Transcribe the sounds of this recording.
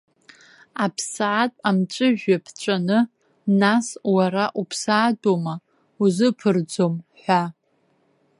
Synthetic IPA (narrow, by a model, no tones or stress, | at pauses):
apʰsːtʼamt͡ʃʷʼɨʒᶣapʰt͡ʃʷʼanɨ | naswaɾaʔupʰsaːdʼoma | uzɨpʰɨrd͡zomħʷa